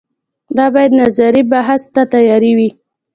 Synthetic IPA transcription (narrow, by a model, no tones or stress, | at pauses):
d̪ɑbɑjad̪nazaɾibaɦast̪at̪ajɑɾiwi